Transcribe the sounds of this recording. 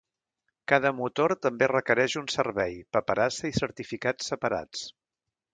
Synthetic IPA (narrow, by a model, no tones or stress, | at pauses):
kaðəmut̪oɾt̪əmberəkəɾɛʒunsəɾβɛjpəpəɾasəisəɾt̪ifikat͡sːəpəɾa̰t͡s